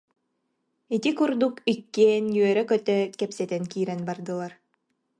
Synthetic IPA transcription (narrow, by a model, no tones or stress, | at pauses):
it̪ikuɾd̪ukikːeɛːnjyœɾɛkœt̪œkɛpsɛt̪ɛnkiːɾɛnbaɾd̪ɯlˠaɾ